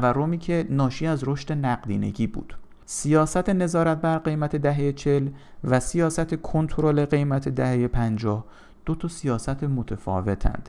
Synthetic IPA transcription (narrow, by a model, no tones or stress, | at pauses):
værːo̞miːcʰe̞nɒːʃiːæzɾo̞ʃt̪e̞næɢd̪iːne̞̰ɟiːbṵːd̪̥ | sijɒːsæt̪ʰe̞ne̞zɒːɾæt̪̚bæɾɢe̞jmæt̪ʰe̞d̪æɦe̞jet͡ʃʰe̞l | væsijɒːsæt̪ʰe̞kʰo̞nt̪ʰoɾole̞ɢe̞jmæt̪ʰe̞d̪æhe̞jepʰænd͡ʒɒːh | d̪̥ot̪ʰɒsijɒːsæt̪ʰemot̪ʰefɒ̰ːve̞t̪ʰæ̰nd̪̥